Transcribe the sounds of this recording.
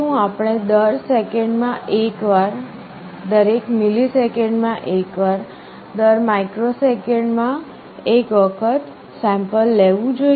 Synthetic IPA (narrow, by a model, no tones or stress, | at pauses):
ũapɳ̃ed̪əɾsekeɳɖmãʔekʋaɾ | d̪əɾekmilisekeɳɖmãʔekʋaɾ | d̪əɾmaikɾosekeɳɖmã | ekʋəkʰət̪ | sɛ̃mpəlːeʋũd͡ʒo